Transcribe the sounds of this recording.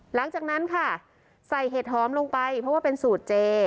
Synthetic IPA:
la˨˩˦ŋt͡ɕaː˨˩k̚na˦˥nkʰa˥˩ | sa˨˩jɦeː˨˩t̪̚hɔː˩˦mlo˧ŋpa˧jpʰɾɔ˦˥waː˥˩pe˧nsuː˨˩t̪̚t͡ɕeː˧

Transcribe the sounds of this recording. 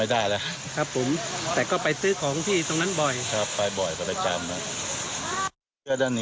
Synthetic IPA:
a˥˩jdaː˥˩jlɛ˦˥ | kʰɾa˦˥pʰːo˩˦mt̪ɛː˨˩kɔː˥˩pa˧jsɯː˦˥kʰɔː˩˦ŋt̪ʰiː˥˩t̪o˧ŋna˦˥nbɔ˨˩jkʰa˦˥˩pːa˧jbɔ˨˩jkʰɔ˧˩da˥˩t͡ɕa˧mna˦˥ | ɯ˥˩ədaː˥˩nːiː˥

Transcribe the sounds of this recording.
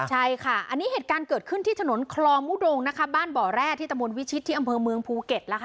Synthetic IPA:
t͡ɕʰa˥˩jkʰa˥˩ʔa˧nːiː˦˥ɦeː˨˩t̪̚kaː˧nkɤː˨˩t̪̚kʰɯ˥˩nt̪ʰiː˥˩t̪ʰa˧no˩˦nkʰlɔː˧mːu˦˥˩doː˧ŋna˦˥kʰa˦˥baː˥˩nbɔː˨˩ɾɛː˥˩t̪ʰiː˥˩t̪a˧mbo˧nwi˦˥tt͡ɕʰi˦˥t̪ʰːiː˥˩ʔa˧mpʰɤː˧mɯ˧əŋpʰuː˧ke˨˩t̪̚lɛ˦˥kʰ

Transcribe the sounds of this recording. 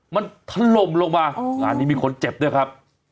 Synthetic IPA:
ma˧nt̪ʰa˧lo˧mloː˧ŋmaː˧ŋaː˧nːiː˦˥miː˧kʰo˧nt͡ɕe˨˩p̚du˦˥˩jkʰa˦˥p̚

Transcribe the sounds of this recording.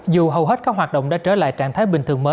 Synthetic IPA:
zu˨˩ɦə˨˩wɦe˦˥t̚kaː˦˥k̚ɦwaː˨˩t̚ɗo̰˧˨wŋ͡mɗa̰ː˧˥t͡ɕəː˧˩la̰ː˧˨jt͡ɕaː˧˩nt̪ʰaː˨˦jɓï˨˩ŋ̟t̪ʰɨ˨˩əŋməː˨˦j

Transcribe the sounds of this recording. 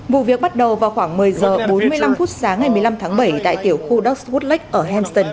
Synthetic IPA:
vṵ˧˨vi˨˩ək̚ɓa˦˥t̚ɗə˨˩wvaː˨˩wxwaː˧˩ŋmɨ˨˩əjzəː˨˩ɓo˨˦nmɨ˧əjla˧mfu˦˥t̚saː˨˦ŋːa˨˩jmɨ˨˩əjla˧mt̪ʰaː˨˦ŋɓə˧˩jt̪a̰ː˧˨jt̪i˧˩əwxu˧ɗɔ˦˥k̚su˦˥t̚la˦˥k̟̚ʔəː˧˩ɦɛ˧nst̪ə˧˩n

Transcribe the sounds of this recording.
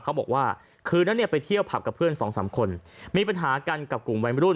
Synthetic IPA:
kʰa˦˥wbɔː˨˩k̚waː˥˩ | kʰɯː˧na˦˥nːi˥˩əpa˧jt̪ʰi˥˩əwpʰa˨˩p̚ka˨˩pʰːɯ˥˩ənsɔː˩˦ŋsaː˩˦mkʰo˧nmiː˧pa˧nɦaː˩˦ka˧nka˨˩p̚ku˨˩mwa˧˦˥jmɾuː˥˩n

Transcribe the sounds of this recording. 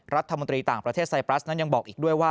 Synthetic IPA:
ɾa˦˥t̪ʰːa˧mo˧nt̪ɾiː˧t̪aː˨˩ŋpɾa˧t̪ʰeː˥˩t̪sa˧jpɾa˦˥na˦˥nja˧ŋbɔː˨˩k̚ʔiː˨˩k̚du˥˩əjwaː˥˩

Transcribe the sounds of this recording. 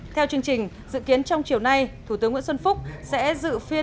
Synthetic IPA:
t̪ʰɛ˧wt͡ɕɨ˧əŋt͡ɕï˨˩ŋ̟ | zɨ̰˧˨ki˨˦ənt͡ɕɔ˧wŋ͡mt͡ɕi˧˩əwna˧jt̪ʰu˧˩t̪ɨ˨˦ŋwḭ˧˥sə˧nfʊ˦˥k͡p̚sɛ̰˧˥zɨ̰˧˨fi˧ə

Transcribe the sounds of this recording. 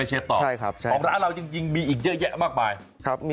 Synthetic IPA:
jt͡ɕʰeː˧t̪ɔː˨a˩˥˩jkʰa˦˥t͡ɕʰːɔː˨˩˦ŋɾaː˩˦nɾa˧wt͡ɕi˧ŋt͡ɕi˧ŋmiː˧ʔiː˨˩k̚ɲɛ˦˥jɛ˦˥ʔmaː˥˩k̚maː˧j | kʰa˦˥p̚m˧

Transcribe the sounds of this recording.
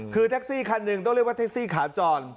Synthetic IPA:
kʰɯː˧t̪ʰe˦˥k̚siː˥˩kʰa˧nːɯ˨˩ŋt̪ɔ˥˩ŋɾi˥˩əwa˥˩t̪e˦˥siː˥˩kʰaː˩˦t͡ɕɔː˧n

